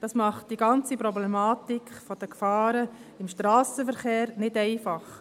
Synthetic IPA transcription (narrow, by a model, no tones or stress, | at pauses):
d̥ɑsmɑχtd̥iɡɑnt͡sipɾɔblɛmɑːtikχfɔd̥əkfɑːɾəɪmʃtɾɑːsəfəɾχeːɾnɪdɛɪfɑχ